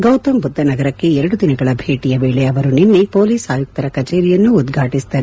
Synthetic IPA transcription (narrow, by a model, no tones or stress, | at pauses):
ɡɐwt̪ɐmbud̪ʱːɐnɐɡɐɾɐkːe̞ɛɾɐɽud̪inɐɡɐɭɐbʱe̞ːʈijɐʋeːɭeɐʋɐɾuninːipo̞ːliːsaːjuk̚t̪ɐɾɐkɐt͡ʃeːɾijɐnːuːd̪ɡʱaːʈist̪ɐɾ